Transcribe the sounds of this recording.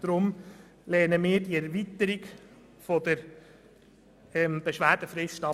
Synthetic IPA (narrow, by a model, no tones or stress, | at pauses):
d̥ɾʊm | lɛːnəmɪːɾdiɛɾvit̪əɾiɡ | fɔd̥̪əɾ | ɛmb̥eʃʋæːɾd̥əfɾɪstɑ